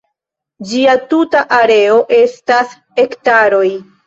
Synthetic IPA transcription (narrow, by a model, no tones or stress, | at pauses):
d͡ʒiatutaʔaɾe̞o̞ʔe̞stas | e̞ktaɾo̞j